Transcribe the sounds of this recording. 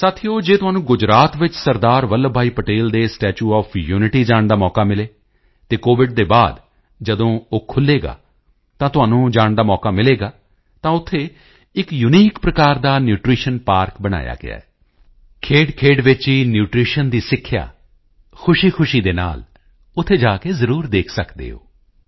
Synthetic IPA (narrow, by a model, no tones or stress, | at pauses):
saːt̪ʰijoːd͡ʒeːt̪ʊɦaːnũːɡʊd͡ʒɾaːt̪ʋɪt͡ʃsəɾd̪aːɾʋəlːbʱaːiːpəʈeːld̪eːsʈɛːt͡ʃuːɔːpʰjuːnɪʈiːd͡ʒaːɳd̪aːmɔːkaːmɪleː | t̪eːkoːʋɪɖ̚d̪eːbaːd̪ | d͡ʒəd̪õːoːkʰʊlːeːɡa̰ː | t̪ãːt̪ʊɦaːnũːd͡ʒaːɳd̪aːmɔːkaːmɪleːɡaː | t̪ãːʊt̪ʰːeː | ɪkjʊniːkpɾəkaːɾd̪aːnjuːʈɾiːʃənpaːɾkbəɽ̃a̰ːja̰ːɡɪ̰a̰ːɛː | kʰeːɖkʰeːɖʋɪt͡ʃiːnjuːʈɾiːʃənd̪iːsɪkʰːɪja̰ː | kʰʊʃiːkʰʊʃiːd̪eːna̰ːl | ʊt̪ʰːeːd͡ʒaːkeːzəɾuːɾd̪eːkʰsəkd̪ḛːo̰ː